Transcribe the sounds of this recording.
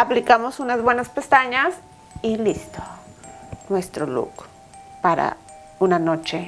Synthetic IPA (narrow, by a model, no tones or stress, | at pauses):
aplikamosunazbwenaspest̪aɲas | ilist̪o̥ | nwest̪ɾolṵk | paɾa̰ | unanot͡ʃe